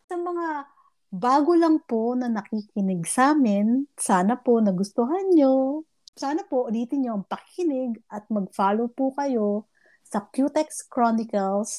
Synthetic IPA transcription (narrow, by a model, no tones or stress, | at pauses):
sɐmɐŋa | baːɡolɐŋponɐnɐkikɪnɪɡsaːmɪnsaːnɐponɐɡʊst̪ʊɦanɲo | saːnɐpoʔʊliːt̪ɪɲɲoɐŋpɐkɪnɪɡʔɐt̪̚mɐɡ̚faːlowpukɐjo̞ | sɐkjut̪ɛkskɹonɪkɐls